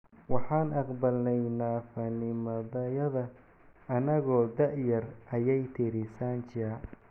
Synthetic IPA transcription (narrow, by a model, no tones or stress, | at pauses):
wɑħɑːnʔɑqbɐlnɛjnaːfɐnɪmɐðɐjɐðɐ | ʔɐnɐɣɔːd̪ɐʕjɐrʔɐjɛjt̪ʰɪɾɪsaːnt͡ʃɪa